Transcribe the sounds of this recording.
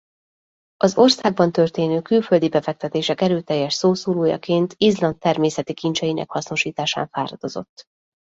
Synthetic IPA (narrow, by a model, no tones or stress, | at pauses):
ɒzo̞rsaːɡ̚bɒnt̪ø̞rt̪eːnøːkylfø̞ld̪ibɛfɛk̚t̪ɛt̪eːʃɛkɛɾøːt̪ɛjːɛʃsoːsoːloːjɒ̰keːnt̪izlɒnt̪ːɛrmeːsɛt̪ikint͡ʃɛjinʔɛ̰khɒsno̞ʃiːt̪aːʃa̰ːɱfaːɾɒd̪o̞zo̞̰t̪ː